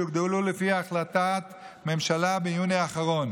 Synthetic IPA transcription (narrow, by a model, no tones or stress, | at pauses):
iɡd̪elulefiaːχlat̪at̪ | me̞mʃalabejuneaχaʁo̞n